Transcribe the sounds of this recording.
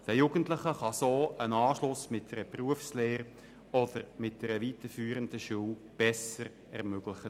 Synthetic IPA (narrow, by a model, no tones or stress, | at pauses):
d̥əjuɡ̥əntləχəχɑsoːənɑːʃlʊsmɪt̚d̥ɛɾəpruəfsleːɾ | ɔdəɾmɪt̚d̥ɛɾəʋitəfyːɾənd̥əʃuwb̥ɛsəɾ | ɛʁmøɡ̥ləχə